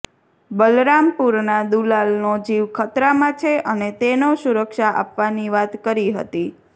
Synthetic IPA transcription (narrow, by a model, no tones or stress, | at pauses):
bəlɾampuɾnad̪ulalnod͡ʒiʋkʰət̪ɾamãt͡ʃʰeʔənet̪enosuɾəkʃaʔa̰pʋaniʋat̪kəɾiɦə̰t̪i